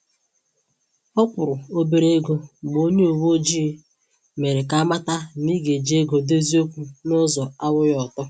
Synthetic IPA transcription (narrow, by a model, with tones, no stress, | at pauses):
ɔ˦kʷʊ˨ɾʊ˨o˦be˨ɾe˦e˦ɡo˦bo˦ɲe˦o˨wo˦d͡ʒi˦ | me˨ɾe˨ka˦ma˦ta˦ni˦ɡe˨d͡ʒe˦e˦ɡo˨de˦zi˦o˦kʷu˦nʊ˦zɔ˨a˦wʊ˦jɔ˨tɔ˦